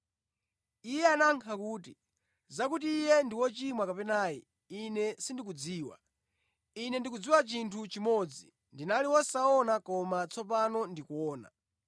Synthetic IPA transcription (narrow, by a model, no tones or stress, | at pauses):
ijɛanaŋkʰakuːti | zakutiːjɛndiwɔt͡ʃimwakapɛnaːji | inɛsindik̬ud͡ziːwa̰ | inɛndikud͡ziwat͡ʃintʰut͡ʃimɔd͡zi | ndinaliwɔsaɔnakɔmat͡sʰɔpanɔndikuɔːna̰